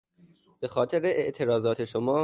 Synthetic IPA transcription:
b̥e̞xɒːt̪ʰeɾeʔeʔt̪ʰe̞ɾɒːzɒːt̪ʰe̞ʃomɒː

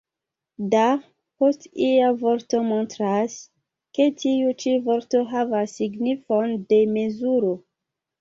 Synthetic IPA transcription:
da | po̞stiavo̞ɾto̞mo̞ntɾas | ke̞tiut͡ʃivo̞ɾto̞ɦavasːiɡnifo̞nde̞me̞zuɾo

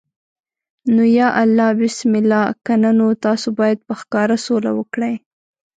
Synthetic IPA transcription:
nojɑʔalːɑbɪsmɪlːɑkananot̪ɑsobɑjad̪̚pəxkɑɾasola̰wəkɽaj

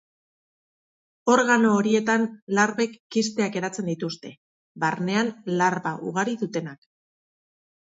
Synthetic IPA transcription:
o̞ɾɣano̞ːɾie̞t̪anlaɾβe̞kːist̪e̞ake̞ɾat͡se̞nd̪it̪ust̪e̞ | βarne̞anlaɾβaʔṵɣaɾiðut̪e̞nak

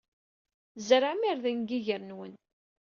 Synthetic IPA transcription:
zəɾamiɾðənɡiʝəɾnwən

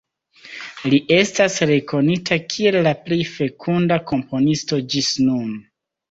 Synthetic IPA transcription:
liʔe̞stasɾe̞ko̞nitʰakʰie̞lːaplejfe̞kʰundako̞mpo̞nisto̞d͡ʒisnum

